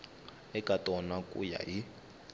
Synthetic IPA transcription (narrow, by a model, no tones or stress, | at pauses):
ɛkʼatʼɔnakʼṵja̰ɦi